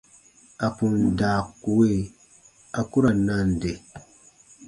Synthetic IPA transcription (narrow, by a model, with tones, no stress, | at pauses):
a˨pu˨ndaː˨ku˨we˦ | a˨ku˦ɾa˨na˦n˦de˨